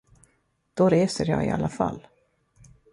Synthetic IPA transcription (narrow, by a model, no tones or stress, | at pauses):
d̪̥ɔɾeːsəɾjɑːɡɪalːafalː